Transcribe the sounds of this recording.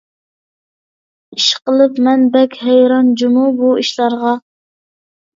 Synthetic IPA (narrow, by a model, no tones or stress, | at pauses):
iʃqəlˠɨpmɛnbɛkʲhɛjɾɑnd͡ʒumubuiʃlˠɑɾʁɑ